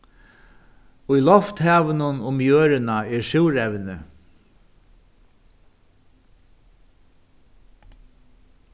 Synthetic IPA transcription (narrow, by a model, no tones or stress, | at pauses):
ʊjlɔft̪hæːʋənʊnʊmjøːɾɪnaɛɾʂɪwɾɛwnɪ